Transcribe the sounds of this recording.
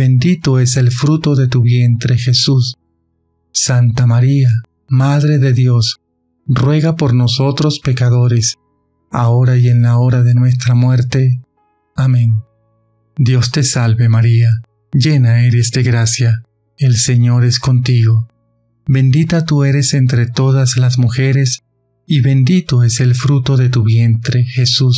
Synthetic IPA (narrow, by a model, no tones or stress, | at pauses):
bend̪it̪oe̞se̞lfɾut̪o̞ðe̞t̪uβje̞nt̪ɾexe̞susː | ant̪amaɾia | maðɾe̞ðe̞ðjo̞s | rwe̞ɣapo̞ɾno̞so̞t̪ɾospekaðo̞ɾes | a̰o̞ɾaje̞nlao̞ɾaðe̞nwe̞st̪ɾamwe̞ɾt̪e̞ | amẽn | d̪jo̞st̪e̞salβemaɾia | d͡ʒe̞nae̞ɾe̞zd̪eɣɾasja | else̞ɲo̞ɾe̞sko̞nt̪iɣo̞ | be̞nd̪it̪at̪ue̞ɾe̞se̞nt̪ɾet̪o̞ðaslazmuxe̞ɾe̞s | iβe̞nd̪it̪o̞e̞se̞lfɾut̪o̞ðe̞t̪uβje̞nt̪ɾe̞xe̞sus